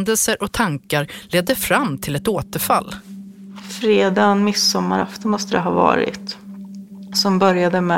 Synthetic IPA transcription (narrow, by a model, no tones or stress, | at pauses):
nd̪əlsəɾʔɔt̪ʰaŋkaɾleːd̪ːəfɾamːt̪ʰɪlɛt̪oːt̪əɾfa̰lː | fɾeːd̪anmɪsːɔmːa̰ɾa̰ft̪əmɔst̪əd̪əɦɑːvɑ̰ːɾɪ̰t̪ | sɔmbœɾjad̪əmɛ